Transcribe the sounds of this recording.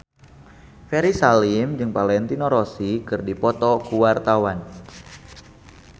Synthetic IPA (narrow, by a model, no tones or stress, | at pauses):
fɛɾisalimd͡ʒɨŋpalɛnt̪inoɾosikɨrdipɔt̪ɔkuwart̪awan